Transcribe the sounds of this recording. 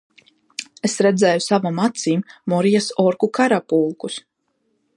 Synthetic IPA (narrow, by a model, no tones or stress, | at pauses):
esɾɛd̪zɛːjusavamat̪siːmːɔɾijasɔɾkukaɾapulˠkus